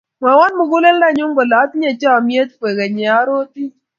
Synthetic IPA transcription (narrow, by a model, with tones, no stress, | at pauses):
ma˨wɔ˦nmʊ˨ɡu˦lɛ˦lda˦˨ɲʊ˦ŋɡɔ˨la˨˦t̪ɲe˨t͡ʃa˦˨mje˦t̪̚pe˨ɡɛ˨ɲe˨a˨˦ɾo˦t̪i˦